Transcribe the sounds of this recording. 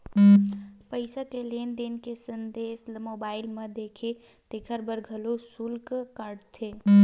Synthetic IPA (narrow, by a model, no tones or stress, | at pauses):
pəɪsakeleːnd̪ɪnkesənd̪eːsmoːbaːɪlmẽd̪eːkʰe | t̪ekʰəɾbəɾɡʱəlosʊlkkaɾɖt̪ʰeː